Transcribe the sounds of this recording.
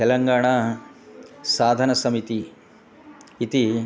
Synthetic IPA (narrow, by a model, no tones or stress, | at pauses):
t̪ɛlɐŋɡaːɳa | saːd̪ʱɐnɐsɐmit̪i | t̪i